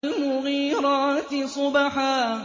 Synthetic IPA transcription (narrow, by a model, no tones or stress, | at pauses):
lmʊɣiːɾɑːt̪ɪsˤʊbaħaː